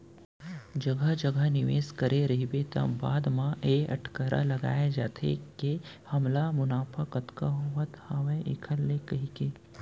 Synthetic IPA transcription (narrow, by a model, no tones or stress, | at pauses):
d͡ʒɐɡʱəd͡ʒɐɡəɦnɪʋḛːskɐɾeɾɐɦibet̪ɐ̰̃baːd̪mãʔeɐ̰ʈʰkəɾʔa̰lɐɡa̰ːjed͡ʒaːt̪ʰḛke | hɐmlamʊnaːpʰəkət̪kaɦʊʋət̪haːʋẽʔḛkʰəlːekɐɦikeː